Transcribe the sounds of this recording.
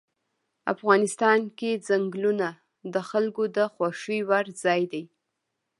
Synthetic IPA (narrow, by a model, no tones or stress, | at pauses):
a̰fɣɑnɪst̪ɑnkezaŋɡluna | d̪əxalkod̪əxwaʂiwaɾzɑjd̪aj